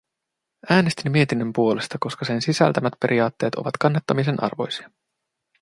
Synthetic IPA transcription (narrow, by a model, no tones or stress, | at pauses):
æːne̞st̪imːie̞t̪inːø̞mpuole̞st̪ɑko̞skɑse̞nsisæ̰lt̪æmæt̪pe̞ɾʔiɑːt̪ːe̞ːt̪ʰo̞̰ʋɑ̰t̪kɑnːɑt̪ːɑmisenʔɑ̰rʋo̞̰jsiɑ